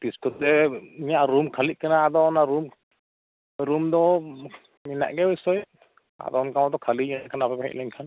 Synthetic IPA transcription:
piskut̪̚dɛiɲaʔɾumkʰaliʔ̚kanaːd̪ɔnaɾum | ɾumd̪ɔ | mina̰ʔɡɛbɔsɔj | a̰d̪ɔnkamad̪ɔkʰaliɲɛnakʰanapɛpɛɦɛ̰ʔlɛɲkʰan

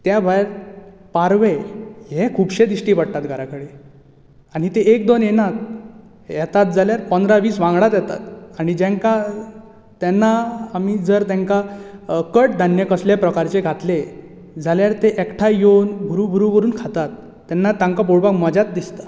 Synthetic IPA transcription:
t̪jabʱajɾpaɾʋejekʰuːbɕed̪iɕʈiːʋaɽt̪at̪ɡʱaɾakəɽi | aɽ̃it̪eek̚d̪onjenat̪̚ | jɛt̪at̪̚d͡zʱaljaɾpənd̪ɾaʋiːsʋãŋɡɭat̪jɛt̪a̰t̪aɽ̃id͡ʑɛ̃ŋka | t̪ɛnːaːmiːd͡zəɾt̪ãŋkakəʈ̚d̪ʱanjəkəsljapɾəkaɾt͡ɕeɡʱat̪le | d͡zaljaɾt̪eʔɛkʈʰajonɡʱuɾuɡʱuɾukəɾuːnkʰat̪at̪ː | ɛnːat̪ãŋkaboɽpakməd͡ʑat̪̚d̪ist̪a

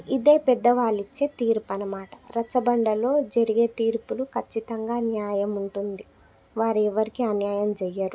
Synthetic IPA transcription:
id̪e̞ːpɛd̪ːɐʋaːlit͡ʃːe̞ːt̪iːɾpɐnɐmaːʈɐ̥ɾɐt͡ʃːɐbɐɳɖɐlo̞ːd͡ʒɐɾiɡe̞ːt̪iːɾpulukʰɐt͡ʃːit̪ɐŋɡaːnjaːjɐmuɳʈund̪i | ʋaːɾiɛʋɐɾikiɐnjaːjɐmd͡ʒɛjːaɾu

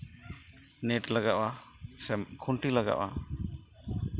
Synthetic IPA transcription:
nɛʈlaɡaʔwasɛmkʰuɳʈilaɡa̰ʔwʔa̰

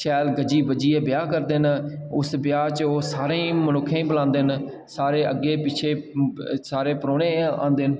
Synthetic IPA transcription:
ʃɛːlɡəd͡ʒiːbəd͡ʒiːeːbɪjaːkəɾd̪enʊsbɪjaːt͡ʃosaːɾẽːmənʊkʰːẽbəlãːnd̪eɦn | saːɾeːə̰ɡeːpɪt͡ʃʰeːsaːɾeːpɾoːɽ̃eːã̰ːnd̪eɦn

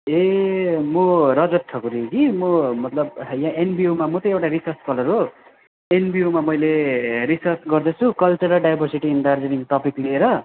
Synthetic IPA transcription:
emoɾʌd͡zʌt̪ʈʰːʌkuɾikimomʌt̪lʌbjãenbiomamʌt̪ʌ̃ewʈaɾisʌrt͡skʌlʌɾɦo | enbiomamʌjleɾisʌrt͡sɡʌrd̪ʌt͡sʰukʌlt͡sʌɾʌlɖajbʱʌrsiʈiːnɖard͡zʌɾiŋɡʈ̪ʌpiklieɾʌ

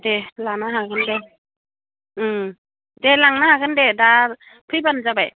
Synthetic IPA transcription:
delanaɦaɡɯnde | delaŋnahaɡɯndeda | pʰɯjbanzabaj

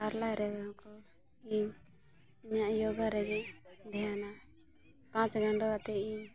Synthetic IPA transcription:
aɾlajɾɛɡakɔ | iɲ | iɲaʔjɔɡaɾɛɡɛd̪ʱɛjana | pãt͡ʃɡʱaɳɖɔat̪ɛiɲ

